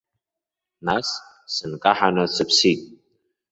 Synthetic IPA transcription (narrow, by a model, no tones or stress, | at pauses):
nas | sɨnkʼaħanɐsɨpsitʼ